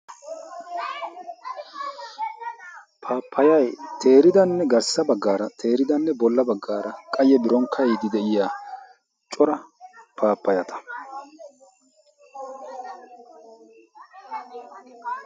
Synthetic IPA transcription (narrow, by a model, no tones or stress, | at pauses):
pʰaːpʰːɐjɐjt̪ʰe̞ːɾɪd̪ɐnːɛɡɐɾsɐbɐɡːaːɾɐt̪ʰe̞ːɾɪd̪ɐnːɛbɔlːɐbɐɡːaːɾɐkʼɐjɛbɪɾɔŋkʰɐjd̪ɪd̪ɛʔɪjaː | t͡ʃʼɔɾɐpaːpːɐjɐt̪ɐ̥